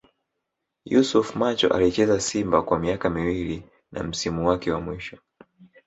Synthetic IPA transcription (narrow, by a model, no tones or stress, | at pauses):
jusufmat͡ʃɔʔa̰lit͡ʃɛzasimbakwamiakamiwili | na̰m̩simuwakɛwamwiʃɔ